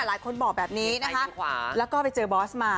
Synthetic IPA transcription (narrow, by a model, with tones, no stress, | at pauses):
a˨˩laː˨˩˦jkʰo˧nbɔː˨˩k̚bɛː˨˩p̚niː˦˥na˦kʰa˦˥˧lɛː˦˥wkɔː˥˩pa˧jt͡ɕɤː˧bɔː˦˥smaː˧